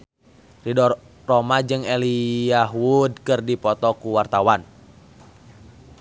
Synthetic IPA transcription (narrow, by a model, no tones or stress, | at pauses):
ridɔr | rɔmad͡ʒɨŋɛliaɦwud̚kɨrdipɔt̪ɔkuwart̪awan